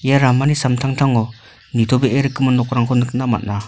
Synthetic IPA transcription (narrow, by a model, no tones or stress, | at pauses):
ijaɾamanisamtʰaŋtʰaŋɔ | nitʰɔbeʔeɾɯkːɯmɯnːɔk̚ɾaŋkʰɔnɯk̚nama̰t̚na